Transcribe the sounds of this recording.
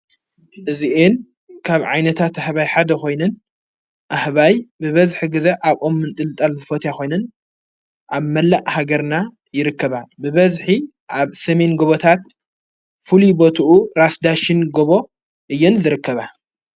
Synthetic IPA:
ʔɨziʔen | kʰaβʕajnɐt̪ʰat̪ahβajħad̪ɐxo̞jnɨn | ʔahβajbɨβɐzħiɡɨzeʔaβʔomːɨnt̪ʼɨlɨt̪ʼɐlzɨfot̪ʰjaxo̞jnɨn | ʔaβmɐlːaʔhaɡɐɾna | jɪɾɨkːɐβabɨβɐzħi | ʔaβsɐme̞nɡoβot̪ʰat̪ | fulibot̪ʰuʔuɾasd̪aʃɪnɡoβo̞ | ʔɨjːɛnzɨɾɨkːɐβa

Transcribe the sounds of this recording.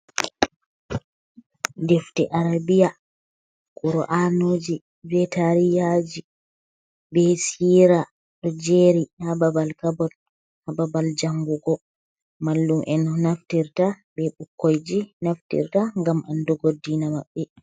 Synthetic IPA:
deftiʔaɾabija | kuɾɔ̰ʔanoːd͡ʒi | vɛtaɾijad͡ʒi | bɛsiːɾa | ɗɔd͡ʒeɾihababalkabɔt | hababald͡ʒaŋɡuɡɔ | malːumʔɛnɔnaftiɾtabɛɓukːojd͡ʒinaftḭɾtaŋɡamʔa̰ndɔɡodːinama̰ɓːɛ

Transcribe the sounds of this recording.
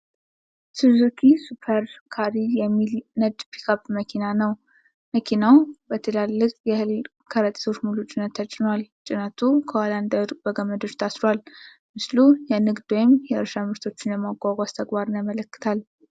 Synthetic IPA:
t̪ʰɨzukʰisupʰəɾkʰaɾijɛmːilnəd̪pʰi̥kʰapməkʰinanəw | məkʰinawbət̪ʰɨlalːɨkʼjɛhɨl | kʰəɾət̪ʼi̥t̪ʰo̞t͡ʃːmulut͡ʃʼɪnət̪ʰːət͡ʃʼɪnwalt͡ʃʼɪnət̪ʰukʰəwaland̪əɾʼbəɡəməd̪ɨɾt̪ʰasɾal | mɨslujɛnɨɡd̪ojɪmjɛɨɾʃamɨɾt̪ʰo̞t͡ʃːɪnjɛmaɡʷaɡʷʼast̪ʰəɡbaɾɨnjamələkːɨ̥t̪ʰal

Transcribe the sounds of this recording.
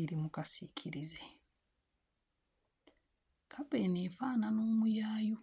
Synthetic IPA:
iɾimukasicʰiɾize | kʰapeneːfaːnanoːmujaːjo

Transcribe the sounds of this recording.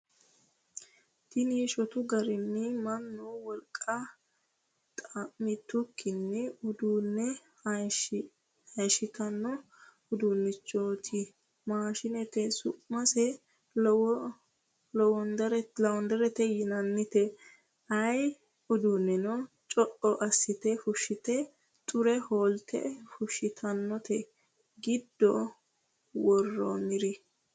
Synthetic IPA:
t̪ɪniːʃɔt̪ʊɡɐɾɪnːɪmɐnːɔwɔlkʼːɐ | t̪ʼɐmɪt̪ːʊkːɪnːɛʊd̪uːnːɛ | ɐjʃɪt̪ɐnːɔ | ʊd̪unːɪt͡ʃːʼoːt̪ʰɪ | maːʃɪnɛt̪ɛsʊʔmɐsɛ | lɔwɔnd̪ɐɾɛlɐwɔnd̪ɛɾɛt̪ɛjɪnɐnːɪt̪ɛ | ɐj | ʊd̪ʊnːɛnɔ | t͡ʃʼɔʔɔʔɐsːɪt̪ɛfʊʃːɪt̪ɛ | t̪ʼʊɾɛhoːlt̪ʰɛ̰fʊʃɪt̪ʰɐnːɔt̪ʰɛ | ɡɪd̪ːɔ | wɔrːo̰mɪɾɪ

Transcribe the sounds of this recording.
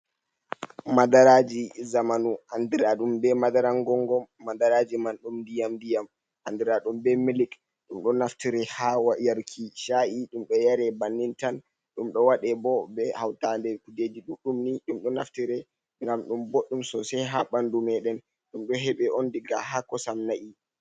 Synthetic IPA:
madaɾad͡ʒizamanuʔandiɾaɗumbɛmadaɾaŋɡɔŋɡɔmːadaɾad͡ʒimanɗumndijamdijam | ʔandiɾaɗumbɛmilik | ɗumɗɔnaftiɾɛhawajaɾkʰiʃaʔiɗumɗɔjaɾɛbanːintan | ɗumɗɔwaɗɛbɔbɛhawtandɛɾkuded͡ʒiɗuɗumniɗumɗɔnaftiɾɛ | ŋɡamɗumboɗːumsɔsɛɦabandumɛɗɛn | ɗumɗɔɦɛɓɛʔondiɡaɦakːɔsamnaʔi

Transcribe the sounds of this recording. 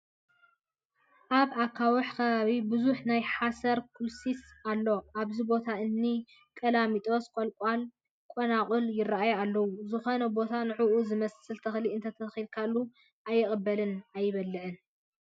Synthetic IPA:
ʔaβakʰːawɔħkʰɐβaβibɨzuħnajħasɐɾkʰulsisalːo̞ʔaβzibot̪ʰaɨnːi | kʼɐlamit̪ʼo̞skʼolkʷʼal | kʼonakʼuljɪraʔajoalːɐwuzɨxo̞nɐbo̞t̪ʰanɨʕuʔuzɨmɐsɨlt̪ʰɐxliɨnt̪ʰɐt̪ʰɐxilkʰalːu | ʔajːɪχʼɐbːɐlɨnajːɪβɐlːɨʕɨn

